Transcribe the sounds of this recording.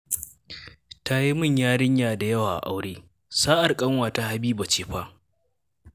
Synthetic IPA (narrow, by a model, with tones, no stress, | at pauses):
ta˦ji˦mʊ˦˨ɲjaː˦ɽɪ˦ɲjaː˨da˨jɐ˦waː˨ʔa̰˨ʔa˦wɽeː˦ | saː˦ʔa˨rkʼɐ˦ŋwaː˨ta˦ha˦biː˦ba˨t͡ʃeː˨ɸaː˦